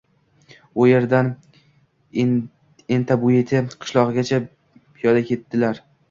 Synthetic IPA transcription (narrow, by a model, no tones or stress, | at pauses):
ʊje̞ɾd̪an | ent̪ʰabʊet̪ʰɪqʰɨ̥ʃlˠɒʁɨɡʲat͡ʃʰa | pʰijɒd̪akʲʰe̞t̪ːɪlaɾ